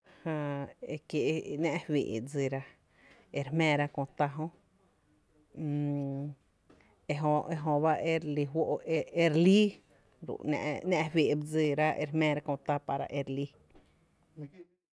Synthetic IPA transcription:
hã˧e˧kje˧˨ʔnã˦˧ʔwḭ˨ʔbd͡zi˧˨ɾa˧ | e˧ɾhmɛ̃ː˧ɾa˦˧kõ˧t̪a˧ɦõ˦ | e˧ɦõ˧e˧ɦõ˧ba˦e˦ɾli˧ɦwo˦ʔe˧e˧ɾli˦ | ɾṵ˨ñ̰˧ʔnã˧ʔwi˨ʔbd͡zi˧ɾa˦ʔḛ˧ɾhmɛ̃ː˧ɾa˦˧kõ˧t̪a˧pa˧ɾa̰˧˨ʔe˧ɾli˦˧

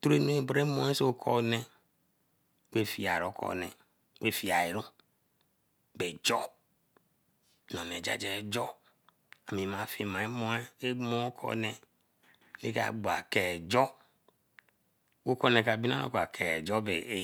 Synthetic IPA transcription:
tɾe˦no˦e˦bɾe˦mõ˦e˦so˦kʰɔ˦ne˦ | we˦fi˨a˨ɾo˨˦kʰɔ̰˨ne˨ | we˦fi˨a˨i˨ɾu˦ | be˨d͡ʒɔ˦ | nɔ̃˨ne˨d͡ʒa̰˨d͡ʒɛ˦d͡ʒɔ˦ | a˨mĩ˨mã˨fi˨mã˨e˦mɔ˦e˦e˦mõ˦kʰɔ̰˦ne˨ | lḛ˦ka̰˨ɡ͡bo˨a˨kɛ˨d͡ʒɔ˦ | wo˦kɔ˦nẽ˨ka˨bi˦n˦a̰˦o̰˦ko˨a˨kʰɛ˨d͡ʒɔ˦be˨˦

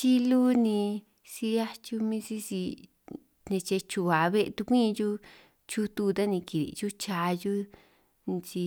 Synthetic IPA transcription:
t͡ʃi˦lu˦nĩ˧ | si˧ja˦t͡ʃu˧mĩ˦si˦si˧ | nẽ˧t͡ʃe˧t͡ʃu˧βa˨˧βe˦ʔt̪u˧kʷĩ˦˧ju˦ | t͡ʃu˦t̪u˧t̪a˦nĩ˧ki˨ɾḭ˨ju˦t͡ʃaː˧ju˦ | n˧si˧

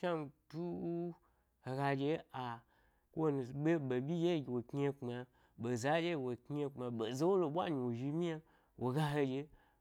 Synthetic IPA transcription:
ʃa˦m˧tu˦ | he˨ɡa˧d͡ʒe˧a˨ | kʷo˦nu˨ɓe˦ɓe˨bʲi˦d͡ʒe˦˨ɡʲwo˨kɲʲ˦e˧k͡pma˧ | ɓo˨za˨˦d͡ʒe˦˨wo˨ke˧k͡pma˧ɓo˨ze˦wo˦lo˨ɓʷa̰˦ɲi˨wo˨ʒi˧mi˦a˧ | wo˨ɡa˧ɦe˧d͡ʒe˧

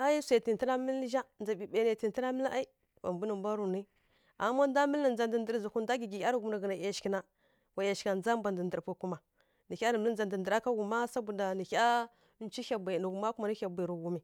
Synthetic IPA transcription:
a˦ji˦sa˨ti˨n˨tə˦ɾa˦mə˦ʒa˦nd͡za˨bi˨be˨˦na˨ti˨n˦ti˦ɾa˦mə˦la˦i˦ | wa˨mbu˦nə˨mba˦ɾu˨ni˦ | a̰˨˦ma˦n˦da˦mə˦la˨n˨d͡za˨ndndə˨ɾzu˨ku˦nda˦ɡi˨ɡi˨˦a˦ɾɡu˨m˦na˨ɡə˨na˨ja˨ʃki˦na˦ | wa˨ja˨ʃka˨nd͡za˦mba˨ndə˨n˨də˨pu˨ku˦ma˨ | ni˨çʲa˦nə˨m˦ə˦n˦d͡za˨ndə˨n˨də˨ɾa˦ka˦ɡu˨ma˦sa˦bu˨da˨ni˨ça˦ | n˦t͡ʃi˦a˨ba˨nu˨ɡu˨ma˦ku˦ma˨ni˦a˨bʷi˨ɾu˨ɡu˨mi˨

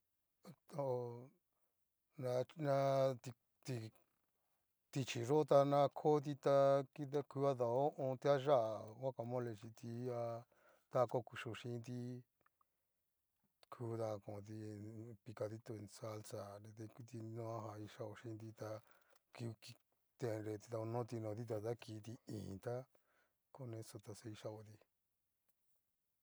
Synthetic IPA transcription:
t̪o˧ | nã˧nã˧t̪i˧ | t̪i˧ | t̪i˧t͡ʃi˨ʐo˦t̪a˧nã˧kʰo˦t̪̬i˧t̪a˧ki˧a˦ku˧˦a˦ða˧˨o˦ʔõ˧t̪i˦a˦ʒa˦ʔa˨wa˦ka˧mõ˦le˧t͡ʃi˧t̪i˧a˧ | t̪a˦˧ko˦˧ku˧ʃu˧˨ʃĩ˧˦nd̪i˦ | kʰuː˦t̪a˧kõ˨t̪i˧pi˧ka˧ði˦t̪o˧e˧nsa˦˧lsa˧˨ɾe˧t̪e˧ku˧t̪i˧nõ˧˦a˦ɦa˧i˧ʃa˦˧o˧ʃĩ˧˦˧nd̪i˧t̪a˧ku˧ki˧ | t̪e˧ɾe˧t̪i˧t̪a˧o˧nõ˦t̪i˧nõ˧ði˦t̪̬a˧t̪a˦ki˧˦t̪i˧ḭ̃ː˨t̪a˦ | ko˦nẽ˧so˧t̪a˧se˧i˧ʃa˧o˧t̪i˧

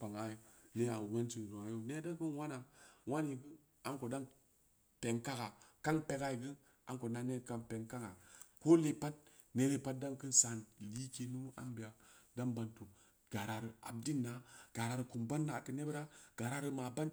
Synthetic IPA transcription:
pa˨ŋa˨jo˨le˦a˨we˦nt͡ʃi˨n˨zo˨a˨jo˦ne˦da˦kɨ˦nwa˦na˨wa˦n˦i˨ɡɨ˦ | a˨nko˨da˦n | pe˨ŋka˦ka˨ka˦npe˨ka˨ji˨ɡɨ˦ | a˨nko˨na˨nːe˦˨ka˨npe˨ŋka˦ka˨ko˦le˨pa˦t̚ | ne˦le˦pa˦t̚da˦nkɨ˦nsa˨nli˦ke˨nu˦a̰˦mbi˨ja˨da˦nba˨ntu˨ | ɡ̥a˨ɾa˨ɾɨ˨a̰˨b̚di˦nːa˨ɡ̥a˨ɾa˨ɾɨ˨ku˨mba˦nːa˨kɨ˨ne˦bɾa˦ɡ̥a˨ɾa˦ɾɨ˦ma˨ba˦n

